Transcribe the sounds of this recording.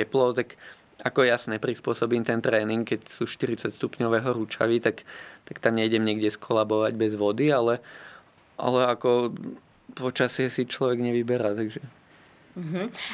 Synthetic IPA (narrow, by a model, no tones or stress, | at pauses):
ɛplɔʊt̪ak | akɔjasɲɛpɾispʊɔsɔbiːmt̪ɛnt̪ɾɛːniŋkkːɛcsuːʃt̪iɾit͡sacst̪upɲɔʋɛːɦɔɾut͡ʃa̰ʋit̪akt̪akt̪amɲɛiɟɛmɲɪɛɡɟɛskʰɔlabɔʋaɟbɛzʋɔd̪ialɛ | ʔa̰lɛakɔ | pɔt͡ʃasɪɛsit͡ʃlɔʋɛɡɲɛʋibɛɾat̪aɡʒɛ | ɦ̩